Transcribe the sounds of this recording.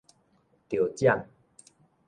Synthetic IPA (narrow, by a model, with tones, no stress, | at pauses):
t̪jo˨˩t͡ɕja˥˨ŋ